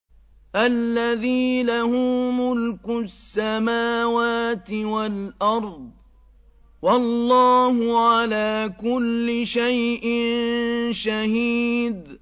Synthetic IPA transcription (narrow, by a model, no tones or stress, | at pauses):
ʔalːaðiːlahʊːmʊlkʊsːamaːwaːt̪ɪwalʔɑɾˤd̪̚ˤ | wɑlːɑːhʊʕalaːkʊlːɪʃajʔɪnnʃahiːd̪